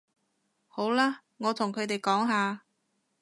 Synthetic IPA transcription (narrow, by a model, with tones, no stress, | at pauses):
ho˨˥wlaː˥ | ŋɔː˨˧t̪ʰʊ˨˩ŋkʰɵ˨˧ɥt̪̬e˨jkɔː˨˥ŋɦaː˧